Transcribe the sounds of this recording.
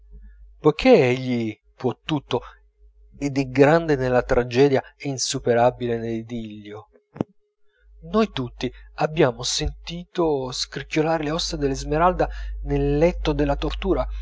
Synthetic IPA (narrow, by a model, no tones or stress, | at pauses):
pojkʰeeʎːi | pwɔt̪ːut̪ːo | ɛd̪ɛɡɾand̪enelːat̪ɾʔad͡ʒɛːd̪jaɛinsupeɾabileneld̪iʎːo | nojt̪ut̪ːiabːjaːmosent̪iːt̪oskɾikːjolaːɾeleɔst̪ːad̪elːezmeɾald̪anelːɛt̪ːod̪elːat̪ort̪uːɾa